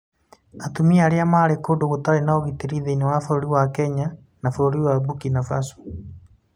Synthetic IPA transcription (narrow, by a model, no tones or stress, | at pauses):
atumiaɾeamaɾekoːdoɣotaɾenaoɣiteɾiðeinewafaoɾiwakɛɲa | nafooɾiwabukinafaso̥